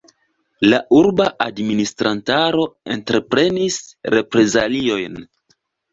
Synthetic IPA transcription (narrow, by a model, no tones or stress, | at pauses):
laʔuɾbaʔadministɾʔantaɾo̞e̞̰ntɾe̞pɾe̞nisɾe̞pɾe̞zalio̞jn